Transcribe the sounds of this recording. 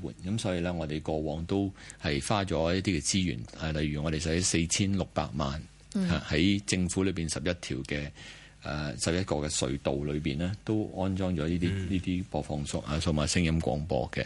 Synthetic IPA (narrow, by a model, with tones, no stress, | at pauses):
wuː˨˩nkɐ˨˦msɔː˨˥jiː˨˧lɛː˥ŋɔː˨˧d̪e˨jkɔː˧wɔː˨˥ŋt̪o˥whɐ˨jfaː˥t͡ʃɔː˨˥jɐ˥t̚t̪iː˥kɛ˧t͡siː˥jy̰ː˨˩nɐ˨˩lɐ˨jɥyː˨˩ŋɔː˨˧ɾe˨js̬ɐ˨˥se˧jt͡sʰiː˥nlʊ˨k̚pa̰ː˧k̚ma̰ː˨n | haː˨˩hɐ˨˥jt͡sɪ˧ŋfu˨˥lɵ˨˧ɥpiː˨˩nsɐ˨p̚jɐ˥t̚t̪ʰiː˨˩wkɛː˧ | ɛ˨sɐ˨p̚jɐ˥t̚kɔː˧kɛ˧sɵ̰˨˧ɥt̪o˨wlɵ˨˧ɥpiː˨nlɛː˥t̪o˥wɔː˥nt͡sɔː˥ŋt͡ʃɔː˨˥liː˥t̪iː˥niː˥t̪iː˥pɔː˧fɔː˧ŋsʊ˥kʔaː˨˩so˧wmaː˨˧sɪ˥ŋjɐ˥mkʷɔ̰ː˨˥ŋpɔ̰ː˧kɛ̰˧